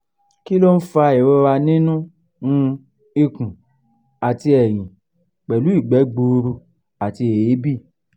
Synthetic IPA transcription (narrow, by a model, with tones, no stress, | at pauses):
ki˦lo˦n̩˦fa˧e˨ɾɛ˧˦wa˧nĩ˦nũ˦ | nũ˧ | i˧kũ˨ | a˨ti˧ɛ˨j̃ĩ˨ | k͡pɛ˨lu˨˦i˦˨ɡ͡bɛ˨˦ɡ͡bu˧ɾu˧ | a˨ti˧e˨je˨˦bi˦˨